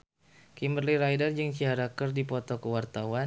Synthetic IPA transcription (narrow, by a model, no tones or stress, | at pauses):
kimərliɾajdard͡ʒɨŋt͡ʃiɦaɾakərdipɔt̪ɔkəwart̪awa